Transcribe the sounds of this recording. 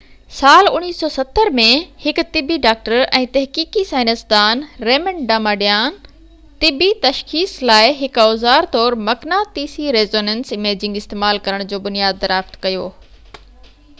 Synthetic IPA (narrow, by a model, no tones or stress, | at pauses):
saːlʊniːssːɔːsɐt̪ːəɾmẽhɪkt̪ɪbiɖaːk̚ʈəɾɛ̃ːt̪ɐɦkiːkisaːɪnəsd̪aːnɾeːmə̃ɳɖaːmaːɖijaːn | t̪ɪbit̪ɐʃxiːslaːɪɦɪkaʊzaːɾt̪ɔːɾmɐknaːt̪iːsiɾeːzoːnənsɪmeːd͡ʑɪ̃ŋɡɪst̪eːmaːlkɐɾəɽ̃d͡ʑoːbʊnijaːd̪̚ːɐɾaːft̪kɐjoː